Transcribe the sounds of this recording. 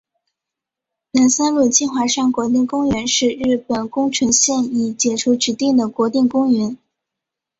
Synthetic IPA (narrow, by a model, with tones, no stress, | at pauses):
na˧˥nsa˥nlu˥˩t͡ɕi˥˩xwa˧˥ʂa˥˩nkwɔ˧˥t̪̬i˥˩ŋkʊ˥ŋɥɛ˧˥nʂɻ̩˥˧ɻɻ̩˥˩pə˨˩nkʊ˥ŋʈ͡ʂʰɤ˧˥ŋɕjɛ˥˧ni˨˩t͡ɕjɛ˨˩ʈ͡ʂʰu˧˥ʈ͡ʂɻ̩˧˥t̪i˥˩ŋd̪ə˩kwɔ˧˥t̪i˥˩ŋkʊ˥ŋɥɛ˧˥n